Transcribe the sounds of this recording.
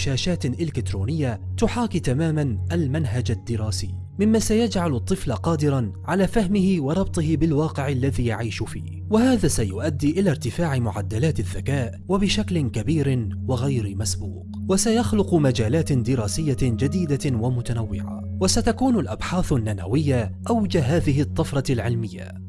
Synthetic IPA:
ʃaːʃaːt̪ʔɪlɪkɪt̪ɾuːnɪjːat̪ʊħaːkit̪amaːmanʔalmanɦad͡ʒad̪ːɪɾˤɑːsiː | mɪmːasajad͡ʒʕalɑt̪ˤːɨflaqɑːd̪ɪɾˤɑnʕalaːfahmɪhɪwɑɾˤɑb̚t̪ˤɨhɪbɪlwɑːqɪʕalːaðiːjaʕiːʃʊfḭː | wahaːðaːsajʊʔad̪ːiːʔɪlaːɾt̪ɪfaːʕɪmʊʕad̪ːalaːt̪aðːakaːʔwabɪʃaklɪnkabiːɾɪnwɪɣajɾɪmasbṵːq | wasajaxlʊqʊmad͡ʒaːlaːt̪ɪd̪ɪɾˤɑːsɪjːad͡ʒad̪iːd̪awamʊt̪anawːɪ̰ʕa̰wasat̪akuːnʊlʔabħaːθanːana̰wɪjːaʔawd͡ʒaɦaːðɪɦɪt̪ˤːɑfɾˤɑlʕɪlmɪjːa̰

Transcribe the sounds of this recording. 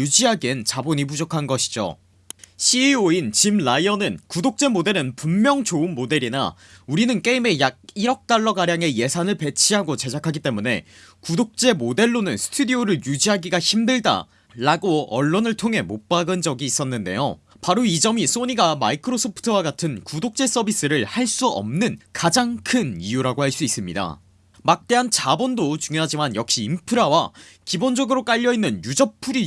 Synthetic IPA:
ud͡ʑiɦaɡent͡ɕaboɲip̬ud͡ʑokʰanɡʌɕʰi̥d͡ʑo̰ | ɕʰioint͡ɕimɭaiʌnɯnkudok̚t͡ɕ͈e̞mode̞ɾɯnpumːjʌŋt͡ɕoɯnmode̞ɾina̰ | uɾinɯnk͈e̞ime̞jaɡ̚iɾʌk̚t͈aɭːʌɡaɾjaŋe̞je̞sʰanɯɭpe̞t͡ɕʰiɦaɡot͡ɕe̞d͡ʑakʰaɡit͈e̞mune̞̰ | kudok̚t͡ɕ͈e̞mode̞ɭːonɯnsʰɯ̥tʰudioɾɯɭjud͡ʑiɦaɡiɡaçimdɯɭda̰ | ɾaɡoʌɭːonɯɭtʰoŋɦe̞mop͈aɡɯnd͡ʑʌɡiːs͈ʌnːɯnde̞̰jo | paɾoid͡ʑʌmis͈oɲiɡamaikʰɯɾosʰopʰɯ̥tʰɯwaɡatʰɯnkudok̚t͡ɕ͈e̞s͈ʌbis͈ɯɾɯɭhaɭs͈uʌ̰mnɯnkad͡ʑaŋkʰɯnijuɾaɡohaɭs͈uis͈ɯmɲida̰ | mak̚t͈e̞ɦant͡ɕabʌndot͡ɕuŋjoɦad͡ʑimanjʌk̚ɕ͈iːmpʰɯɾawa | kibond͡ʑʌɡɯɾok͈aʎːʌinːɯnjud͡ʑʌpʰuɾi

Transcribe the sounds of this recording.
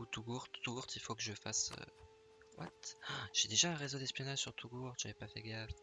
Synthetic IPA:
ut̪uɡuʁt̪ːuɡuʁt̪ilfokəʒəfa̰sø̰ | wa̰t̪ʒ̥ed̪eʒaɛ̃ʁezod̪ɛspjɔnaʒsyʁt̪ʰuɡuuʁt̪ʒavɛpafɛ̰ɡaf

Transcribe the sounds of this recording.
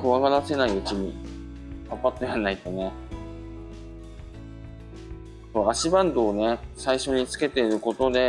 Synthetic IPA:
kɯ̟βaɡad̪ase̞naiɯ̟t͡ɕiɲ̟i | apːat̪ːojanːait̪o̞ne̞ | so̞ːaɕibãnd̪o̞ːne̞saiɕo̞ɲ̟it͡sɨ̥ke̞t̪e̞iɾɯ̟ko̞t̪o̞d̪e̞

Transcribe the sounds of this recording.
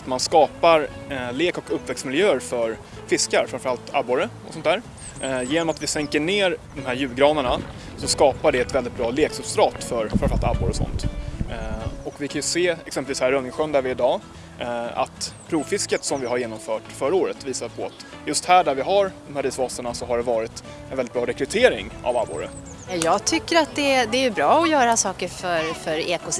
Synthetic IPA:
at̪manskɑːpaɾleːkɔkɵpːvɛkst̪mɪljøːəɾfœɾ | fɪskaɾfɾãnmfəɾalt̪a̰bːʊɾəɔ̰sɔnt̪ʰæːɾ | jeːnɔmat̪vɪsɛŋkəɳeːɾd̪ɔmhæːɾjʉ̟ːɡɾɑːnəɳa | sɔskɑːpaɖɛɛt̪vɛlɪt̪̚bɾɑːleːksɵpst̪ɾɑːt̪fœɾfɾanfəɾalt̪a̰bːʊɾɔsɔ̰nt̪ | ɔkvɪkʰanjɵseːɛksɛmpəlviːshæːɾːœnːɪŋɧœnd̪æɾvɪːɖɑː | a̰t̪pʰɾuːfɪskət̪sɔmvɪɦaɾjeːnɔmfœːʈfœɾəoːɾət̪viːsapʰɔat̪ | jɵst̪hæːɖæɾvɪɦaɾd̪ɔmhæɾiːsvɑːsəɳasɔɦhaɖɛvɑːɾɪt̪ | ɛnɛɪt̚bɾɑːɾɛkɾɵt̪ʰeːɾɪŋa̰vabo̰ːɾə̰ | jɑjɑːɡt̪ʰʏkːəɾat̪̚d̪ɛd̪ɛæjɵbɾɑːɔjœːɾasɑːkəɾfœɾfœɾeːkʊ

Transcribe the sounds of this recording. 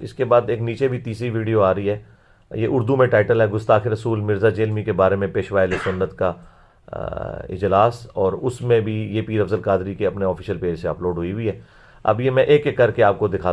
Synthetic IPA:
ɪ̰skebaːd̪eːkniːt͡ʃebʱit̪iːsiʋiːɖijoaːɾəiɦɛː | jeʔʊɾd̪umẽʈaːɪʈəlɦɛɡʊst̪aːxɪɾɐsuːlmɪɾzad͡ʒeːlmikebaːɾemẽpeːʃʋaːɪlesʊnːət̪ka | ɪ̰d͡ʒlaːsɔːɾʊsmẽbʱijepiːɾɐfzəlkaːd̪ɾikeɐpneɔːfʰɪːʃəlpeːd͡ʒseɐ̰ploːɖɦʊiɦʊiɦɛː | ɐ̰bjemɛ̃ʔeːkːekːɐɾkeaːp̚kod̪ɪkʰaː

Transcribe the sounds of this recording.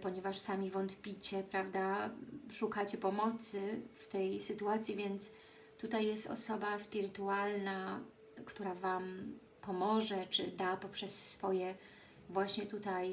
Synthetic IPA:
pɔɲɛvaʂsamʲivɔnt̪pʲit͡ɕɛpɾavd̪aʂukat͡ɕɛpɔmɔt̪sɘft̪ɛjsɘt̪uat̪sʲjivʲjɛnt̪s | t̪ut̪ajːɛst̪ɔ̰sɔbaspʲiɾɘt̪ualna | kt̪uɾavam | pɔmɔʐɛt͡ʂɘd̪apɔpʂɛsːfɔjɛ | vwaɕɲɛt̪ut̪aj

